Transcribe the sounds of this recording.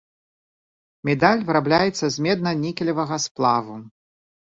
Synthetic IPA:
mʲɛd̪alʲvɨɾablʲajɛt̪sːɐzʲmʲɛd̪̚nɐnʲikʲilʲɐvɐɣɐsplˠavu

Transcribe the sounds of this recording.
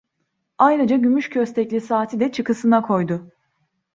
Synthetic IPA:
ajɾad͡ʒaɟymyʃcʰø̞st̪ʰɛclʲisaːt̪ʰid̪ɛt͡ʃʰɯkɯsɯnakʰo̞jd̪ʊ

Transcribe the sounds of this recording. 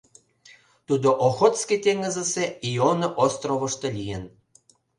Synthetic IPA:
t̪ud̪oʔoxot̪sket̪eŋəzə̆seionəʔost̪roβə̆ʃt̪ɤ̆lʲijen

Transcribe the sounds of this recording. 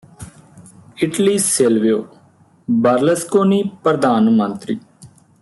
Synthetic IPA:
ɪʈliːselʋejoː | bəɾləskoːniːpɾəd̪aːnmə̃nt̪ɾiː

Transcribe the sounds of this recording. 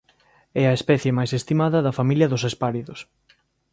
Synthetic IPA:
ɛɐespɛθjemajsest̪imaðɐðɐfamiljɐðʊsespaɾiðʊs

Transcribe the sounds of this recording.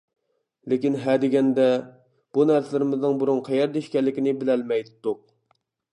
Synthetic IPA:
lekʲinɦæd̪ɪɡʲɛnd̪ɛ | b̥unæɾsɪlɪɾɪmɪznɪŋbuɾuŋqʰɛjɛɾd̪eʃkʲɛlːɪkʲinɪbɪlɛlmɛjt̪ːuq̚

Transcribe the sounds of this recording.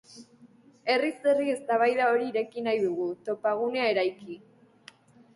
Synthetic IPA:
e̞riserie̞st̪aβ̞ajðao̞ɾiːɾe̞kinajðuɣut̪o̞paɣ̞une̞ae̞ɾajki

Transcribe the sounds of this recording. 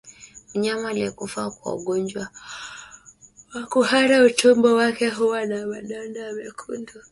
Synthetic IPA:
uɲamaliɛkufakwa̰ṵɠɔɲd͡ʒwa | wakuhaɾaut͡ʃɔmbɔwakɛɦuwanamaɗandamɛkʰundɔ

